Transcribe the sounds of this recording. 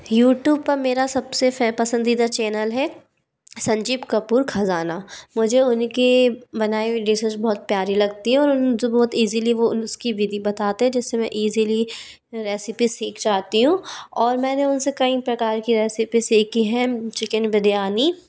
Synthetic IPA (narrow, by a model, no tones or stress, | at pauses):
juːʈjuːb̚pɐɾmeːɾasɐbsefɛpɐsə̃nd̪iːd̪at͡ʃɛːnəlɦɛ | sɐ̃ɲd͡ʒiːbkɐpuːɾxʰɐzaːnamʊd͡ʒʱeʊnkibɐnaːiɖisəd͡ʒbɔɦʊt̪̚pjaːɾilɐɡ̚t̪iɦɛ̃ɔːɾʊnsebɔːt̪iːziliʋoskibiːd̪ibɐt̪aːt̪eɦɛ̃d͡ʒɪsːemɛ̃ʔiːzili | ɾeːsɪpisiːkd͡ʒaːt̪iɦũɔːɾmɛ̃ːneʊnsekɐipɾɐkaːɾkiɾɛːsɪpisiːkiɦɛt͡ʃɪkənbɪd̪jaːni